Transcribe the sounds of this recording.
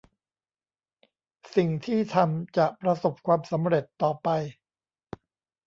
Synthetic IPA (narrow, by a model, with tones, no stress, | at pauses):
si˨˩ŋt̪ʰiː˥˩t̪ʰa˧mt͡ɕa˨˩ʔpɾa˧so˨˩p̚kʰwaː˧msa˩˦mɾe˨˩t̪ːɔː˨˩pa˧j